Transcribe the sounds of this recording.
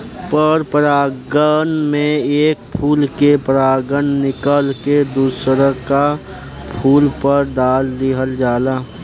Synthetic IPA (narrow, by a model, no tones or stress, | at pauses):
pəɾpəɾaːɡənmẽeːk̚pʰuːlkepəɾaːɡənnɪkəlked̪uːsɾəka | pʰuːlpəɾd̪aːld̪iɦəld͡ʒaːlaː